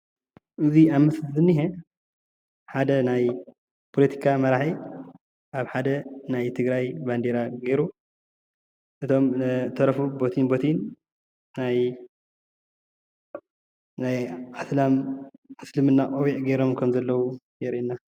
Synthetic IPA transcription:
ʔɨziamːɐszɨnːihe | ħad̪ɐnaj | pʰolɐt̪ʰi̥kʰamɐɾaħi | ʔaβħad̪ɐnajt̪ʰɨɡɾajband̪eɾaɡejɾu | ʔɨt̪ʰo̞mt̪ʰɐɾɐfubot̪ʰinbot̪ʰinː | aj | najaslamʕaslɨmɨnːakʼowiʔɡejɾo̞mkʰɐmzɐlːɐwu | jɛɾʔinːa

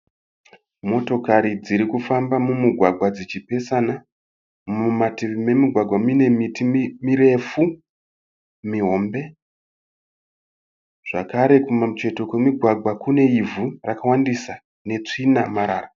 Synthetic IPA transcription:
mo̞to̞kaɾid͡ziɾikufambamumiɡʱwaɡʱwad͡zit͡ʃipe̞sana | umatiime̞miɡʱwaɡʱwamine̞mitimiɾe̞fu | miɦo̞mbe̞ | ʐ̥akaɾe̞kumat͡ʃe̞to̞kwemiɡʱwaɡʱwakune̞ivurakawandisa | ne̞t͡ʂinamaɾa̰ːra

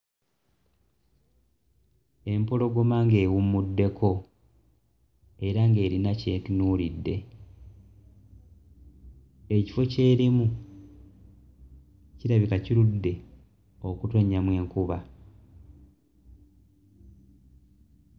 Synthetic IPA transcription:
e̞mpolo̞ɡo̞maŋɡe̞ːwumːudːe̞kʰo̞ | e̞ɾaŋɡe̞ːɾinace̞ːtunuːlidːe̞ | e̞ci̥fo̞ce̞ːɾimu | ciɾaβikaciɾudːe̞ | o̞kuto̞ɲamwe̞ːŋkuβa

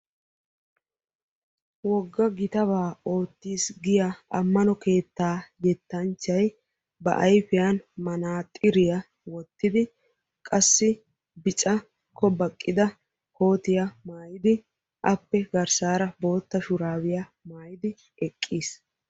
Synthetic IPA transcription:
wɔɡːɐɡɪt̪ɐβaːo̞ːt̪ːiːsɡɪjɐɐmːɐnɔke̞ːt̪ːaːjɛt̪ːɐnt͡ʃːɐj | bɐ̰ʔɐjfɪjanmɐnaːt̪ʼɪɾɪjɐ | wɔt̪ːɪd̪ɪ | kʼɐsːɪ | bɪt͡ʃʼɐ | kʰːɔbɐkʼːɪd̪ɐ | kʰo̞ːt̪ɪjɐmaːjɪd̪ɪ | ʔɐpːɛɡɐɾsaːɾɐbo̞ːt̪ːɐʃʊɾaːwɪjɐmaːjɪd̪ɪ | ɛkʼːiːs

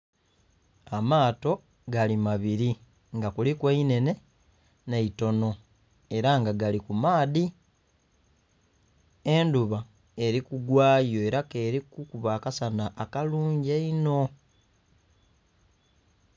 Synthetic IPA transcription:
amaːto̞ | ɡalimaβiɾi | ŋɡakulikweine̞ne̞ | neito̞no̞ | e̞ɾaŋɡaɡalikumaːði | enduβa | e̞ɾikuɡwaːjo̞e̞ɾake̞ːɾikukuβaːkasanaʔːkaluːɲɟeino̞

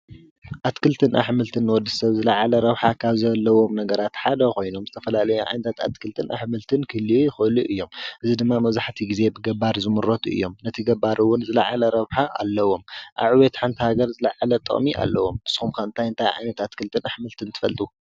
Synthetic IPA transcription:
ʔat̪kʰɨlt̪ʰɨnʔa̰ħmɨlt̪ʰɨnːwɔd̪ːɨsɐβzɨlaʕalɐɾɐβħakʰaβzɐlːɐwo̞mnɐɡɐɾat̪ħad̪ɐko̞jno̞mzɨt̪ʰɐfɐlalɐjuʕa̰jnɐt̪ʰat̪a̰t̪kʰɨlt̪ʰɨnʔa̰ħmɨlt̪ʰɨnkʰɨlijɪxɨluʔɨjːo̞mʔɨzid̪ɨmːamɐβzaħt̪ʰiɡize̞bɨɡɐbaɾzɨmɨɾot̪ʰuʔɨ̰jːo̞mnɐt̪ʰiɡɐbaɾuwʊnzɨlaʕalɐɾɐβħaʔa̰lːɐwo̞mʔa̰βʕɨwet̪ħant̪ʰihaɡɐɾzɨlaʕalɐt̪ʼɨ̰χʼmiʔa̰lːɐwo̞mɨsxumkʰaɨnt̪ʰajɨnt̪ʰajʕa̰jnɐt̪at̪kʰɨlt̪ʰɨnaħmɨlt̪ʰɨnt̪ʰɨ̥fɐ̰lt̪ʼu

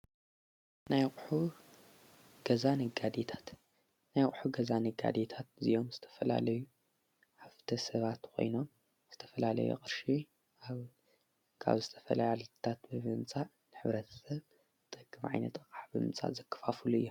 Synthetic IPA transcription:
najkʼħu | ɡ̥ɐzanɨɡad̪et̪ʰḁt̪ | najχʼħuɡɐzanɨɡa̰d̪et̪ʰat̪zḭʔo̞mzɨt̪ʰɐ̥fɐla̰lɐju | ħaft̪ʰɐsɐβat̪kʰo̞̰jno̞m | z̥ɨt̪ʰɐ̥fɐlalɐ̰jo̰χʼɨɾʃi | aβ | kʰa̰βzɨt̪ʰɐ̥fɐlajalt̪ʰat̪bɨmɨmt͡sʼa | nɨħɨβɾɐt̪ʰɐ̥sɐβ | t̪ʼɨkʼːɨmʕa̰jnɐt̪ʼɨkʼaħbɨmɨt͡sʼa̰zɐkʰːɐ̥fafuluɨ̰jːu

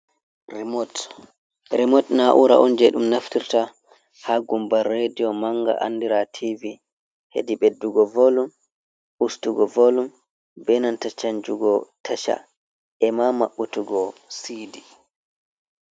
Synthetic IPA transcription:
t | ɾɛmɔtnaʔuɾa̰ʔɔnd͡ʒɛɗumnaftiɾta | haɡumbarːedijɔmaŋɡa̰ʔa̰nːdiɾatʰivi | hḛdiɓedːuɡɔvolum | ustuɡɔvolum | bɛnantat͡ʃaɲd͡ʒuɡɔtʰaʃa̰ | ɛmamaɓːutuɡɔsidi

